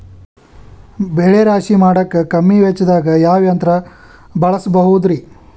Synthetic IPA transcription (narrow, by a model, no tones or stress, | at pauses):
beːɭeɾaːʃimaːɽɐkːekɐmːiʋet͡ʃːd̪aːɡɐjaːʋjɐnt̪ɾɐ | bɐɭɐsbɐɦud̪ɾi